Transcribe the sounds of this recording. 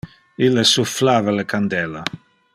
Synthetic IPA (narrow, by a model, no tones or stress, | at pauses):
ilːəsuflaːvaləkand̪ɛla